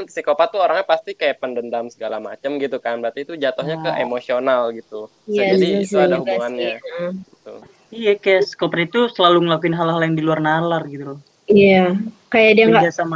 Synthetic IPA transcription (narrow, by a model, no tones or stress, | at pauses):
i̥sikopat̪uoɾaŋapast̪ikajapəndəndamsəɡala̰ma̰t͡ʃəmɡit̪ukanbəɾat̪it̪ud͡ʒat̪ɔhɲakəʔemosionalɡit̪u | jaadit̪uadahubuŋanɲaɡit̪ṵ | ijakajaskopɾit̪usəlaluŋəlakuɪnɦalɦaljaŋdiluarnalarɡit̪ul | ijakajadiaŋɡabiasam